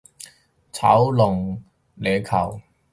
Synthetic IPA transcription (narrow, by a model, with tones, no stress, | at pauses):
t͡sʰɐ̰˨˥wlʊ˨˩ŋ | leː˨˧kʰɐ˨˩w